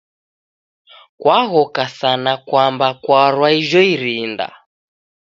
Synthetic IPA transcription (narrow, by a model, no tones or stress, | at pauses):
kwaɣɔkasanakwambakwaɾwaiʒɔiɾinda̰